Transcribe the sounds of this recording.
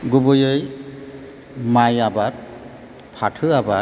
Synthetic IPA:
ɡubɯjɯj | majabat̚ | pʰatʰɯaba

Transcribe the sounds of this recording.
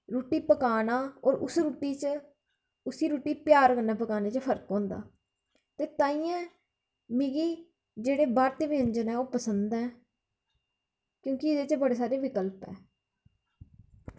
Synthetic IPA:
ɾuːʈiːpəkaːnaːɔːɾʊ̰sɾuːʈːiːt͡ʃ | ʊsiːɾuːʈiːpjaːɾkənaːpəkaːneːt͡ʃpʰəɾkɦõːnd̪a̰ː | t̪eːt̪ãːiːɛ̃ː | miɡiː | d͡ʒeːɽeːbaːɾt̪eːʋɪːə̃ɲd͡ʒənɛːoːpəsənd̪ɛː | kjõːkɪɪd̪eːt͡ʃbəɽeːs̬aːɾeːʋɪkəlpɛ̰ː

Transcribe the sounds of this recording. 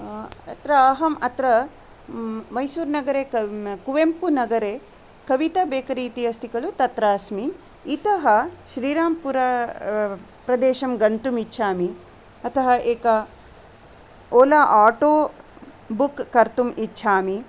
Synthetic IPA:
ɐt̪ɾɐɐɦɐmɐt̪ɾɐ | mɐjsuːɾnɐɡɐɾeːkuʋempunɐɡɐɾeː | kɐʋit̪ɐbeːkɐɾiːt̪iɦɐst̪ʰikɐlut̪ɐt̪ɾaːsmiː | t̪ɐɦɐʃɾiːɾaːmpuɾɐ | pɾɐd̪eːʃɐmɡɐnt̪umitːʃʰaːmi | ɐt̪ʰɐɦɐʔeːkɐ | oːlaːʔaːʈoː | bukːɐɾt̪umitːʃʰaːmi

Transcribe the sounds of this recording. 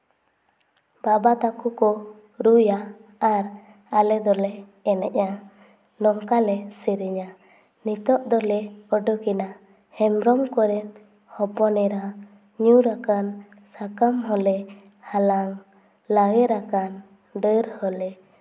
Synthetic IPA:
babat̪akukɔ | ɾujaːɾ | alɛd̪ɔlɛː | nɛʔa | nɔŋkalɛsiɾiɲa | nit̪ɔʔd̪ɔlɛɔɖɔkina | hɛmɾɔmkɔɾɛ | hɔpɔnɛɾa | ɲuɾakan | sakamɦɔlɛ | halaŋ | laɡɛɾakan | ɖəɾhɔlɛ

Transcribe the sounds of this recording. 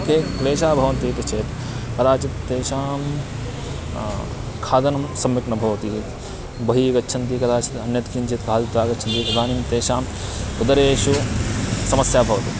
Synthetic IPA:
kʰeːleːʃaːbʱɐʋɐnt̪it̪ɐt͡ʃʰeːt̪ | kɐd̪aːt͡ʃit̪t̪eːʃaːm | kʰaːd̪ɐnɐmsɐmʋɪknɐbʱɐʋt̪i | bɐɦiːkɐtːʃʰɐnt̪iːkɐd̪aːt͡ʃit̪ɐnjɐt̪kʰint͡ʃʰit̪kaːlt̪aːkɐt͡ʃʰɐnt̪iːkɐd̪aːnimt̪eːʃaːm | ʊd̪ɐɾeːʃu | sɐmɐsjaːbʱɐʋt̪iː

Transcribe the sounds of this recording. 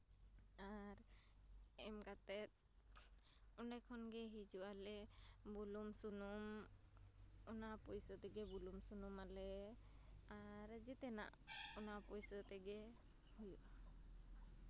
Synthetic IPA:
aɾ | ɛmkat̪ɛt̪̚ | unɖakʰɔnɡɛɦid͡ʒuʔalɛbulumsunum | ɔnapɔjsət̪ɛɡɛbulumsunumalɛ | aɾd͡ʒit̪ɛna̰ʔɔnapɔjsət̪ɛɡɛ | hujuʔa

